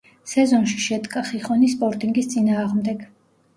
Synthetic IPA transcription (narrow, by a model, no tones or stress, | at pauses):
sɛzɔnʃiʃɛd̪ɡʼaχiχɔnispʼɔɾt̪ʼiŋɡist̪sʼinaːʁmd̪ɛɡ